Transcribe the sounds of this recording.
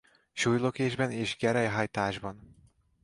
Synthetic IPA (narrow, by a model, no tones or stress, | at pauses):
ʃujlokeːʒbɛneːʒɡɛɾɛjɦɒjt̪aːʒbɒn